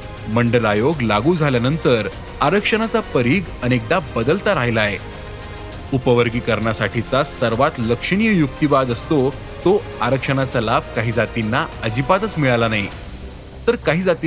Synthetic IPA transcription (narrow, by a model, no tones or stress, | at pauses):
məɳɖəɾajoɡlaɡuːd͡zʱaljanənt̪əɾ | aɾəkʂəɽ̃at͡sapəɾiːɡənek̚d̪abəd̪əlt̪aɾaɦjlae | upəʋəɾɡiːkəɾɳjasaʈʰit͡sasəɾʋat̪ləkʂəɽ̃ijəjuk̚t̪ibad̪əst̪o | t̪o | aɾəkʂəɽ̃at͡salab̚ʱkaɦiːd͡zat̪inːaəd͡ʑipat̪ət͡smiɭalanaɦi | t̪əɾkaɦiːd͡zat̪i